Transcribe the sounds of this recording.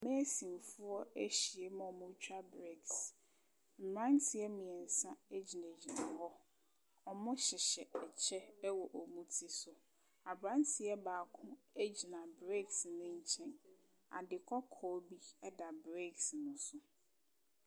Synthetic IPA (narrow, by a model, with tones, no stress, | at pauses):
mɛ˦sĩ˨n˨fʊ˦ɔ˦æ˦ɕi˨e˦m̃˦ɔ˨mʊ̃˦t͡ɕʰᶣa˦bɾe˦˨ks | m̩˨m˨ã˦ntʰɪ˨ɛ˦mɪ̃˨ɛ˨n̩˨sã˦e˦d͡ʑi˨nẽ˨d͡ʑi˨nã˨hɔ˦ | ɔ˨mʊ̃˦ɕɪ˨ɕɛ˨ɛ˨t͡ɕʰɛ˦wɔ˨ʔo˨mũ˦tʰi˦sʊ˨ | a˨bɾã˦ntʰɪ˨ɛ˦baː˨kʰʊ̃˦e˦d͡ʑi˨nã˨bɾe˦ksnʊ̃˦ɲ̩˦t͡ɕʰɛ̃˦n | a̰˨dɪ˨kʰɔ˦kʰɔ˨˦bi˦ɛ˦da˨bɾe˦˨ksnʊ̃˦sʊ˨